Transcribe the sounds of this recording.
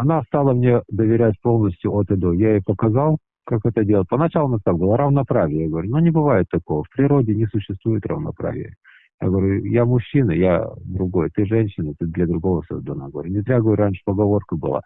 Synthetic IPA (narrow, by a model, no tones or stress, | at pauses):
ɐnast̪alˠəmnʲe̞d̪əvʲɪɾʲætʲpo̞lˠnəsʲtʲjʊʔot̪ɪd̪ojaɪpəkɐzalˠ | kakɛt̪ədʲelˠət̪̚ʲpənɐt͡ɕalˠʊnast̪ak̚bɨlˠaɾəvnɐpɾavʲɪjəjaɡəvɐɾʲunonʲɪbɨvajɪt̪ːɐko̞vəfpɾʲɪɾo̞dʲɪnʲɪsʊɕːɪst̪vujɪt̪rə̰vnɐ̰pɾa̰vʲɪ̰jə̰ | ja̰ɡəvəɾʲujamʊɕːinəja̰d̪ɾʊɡo̞jt̪ɨʐɛnʲɕːɪnɨt̪ɨd̪lʲəd̪ɾʊɡo̞vəso̰zd̪ɐna̰ɡəvɐɾʲunʲɪt̪ɾʲaɡəvɾʲɾanʲʂɨ̥pəɡɐvo̞rkəbɨ̰lˠa̰